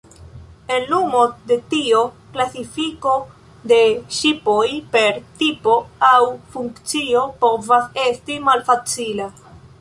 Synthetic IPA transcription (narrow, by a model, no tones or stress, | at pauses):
e̞nlumo̞de̞tio̞ | klasifiko̞ | de̞ʃipo̞jpe̞ɾtipo̞awfuŋkt͡sio̞po̞vase̞stimalfat͡sila